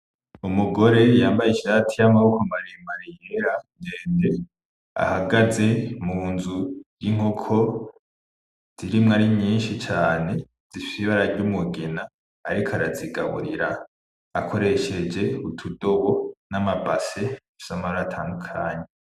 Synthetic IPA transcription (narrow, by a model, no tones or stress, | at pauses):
umuɡo̞ɾe̞jaːmbajiʃaːtʰijamaβukomaɾemaɾiheɾandeːnde | a̰haɡaze̞munzu̥jiŋ̥okʰo̞ | z̥iɾimŋaːɾiɲiːnʃit͡ʃaːne̞ | z̥ifiβaɾaɾɟumuɡenaː | ɾikʰaɾaziɡaβṵɾiɾa̰ː | kʰo̞ɾe̞ʃe̞d͡ʒe̞utʰudo̞βonamabase̞ | u̥samaoatʰaːndukʰaːɲe